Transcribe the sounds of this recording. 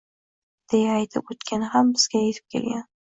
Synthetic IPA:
d̪̥ejaːjt̪ʰɪpot̪kʲʰanɪhambɪz̥ɡʲajet̪ʰɪp̚kʲʰelɡʲan

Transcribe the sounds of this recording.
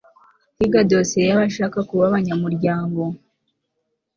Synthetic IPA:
iɡadosejaβaʃaːkakuβaβaɲamuɾjaːŋɡo̞

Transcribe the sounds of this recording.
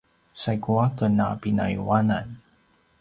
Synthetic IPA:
sajkuakənapina̰juwanan

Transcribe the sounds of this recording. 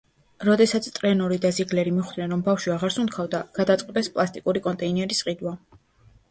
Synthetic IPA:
ɾɔd̪ɛsat̪sʰt̪ʼɾɛnɔɾid̪aziɡlɛɾimiχd̪nɛnɾɔmbafʃiaʁaɾsunt̪kʰavd̪aɡ̥ad̪at̪sʼqʼɛbɛspʼlˠast̪ʼikʼuɾikʼɔnt̪ʼɛinɛɾisqʼid̪wa

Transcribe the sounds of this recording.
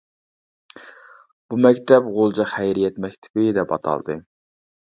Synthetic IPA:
b̥umɛkʲt̪ʰɛpʁolˠd͡ʒɑχæjɾijɛt̪mɛkʲt̪ʰɪ̥b̥ɪd̪ɛpɑ̰t̪ʰɑ̰lˠd̪ɨ̰

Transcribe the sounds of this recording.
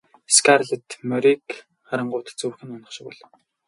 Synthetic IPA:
skʰarɮə̆t̪mœɾik | χaɾə̆ɴɢʊːt̪̆t͡suwxɘ̆nʊnə̆χʃɪ̆kʊ̰ɮ

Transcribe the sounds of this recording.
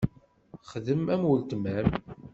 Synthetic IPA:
χðəmæmwəlt̪mæm

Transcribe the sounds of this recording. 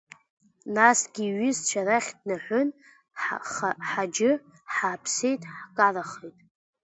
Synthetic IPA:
nasɡʲiːɥɪzt͡ʃʷʰaɾaχʲdnaħʷʊn | ħχaħad͡ʒɪ | ħaːpʰse̞jtʼħkʼaraχejtʼ

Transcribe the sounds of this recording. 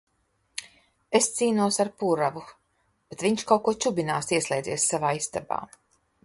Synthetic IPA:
est̪siːnuɔsaɾpuɾavu | b̥et̪viɲʃkawkuɔt͡ʃubinaːsiɛslʲˠɛjd̪iɛssavaːist̪aba̰ː

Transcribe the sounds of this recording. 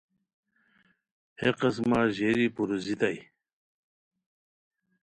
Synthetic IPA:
heqɐs̬maːʑeːɾipuɾuzit̪aj

